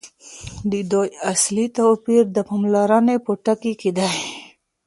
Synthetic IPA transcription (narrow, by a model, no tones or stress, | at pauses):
d̪id̪ojaslit̪opiɾd̪əpamlɑɾɑnepoʈakikid̪a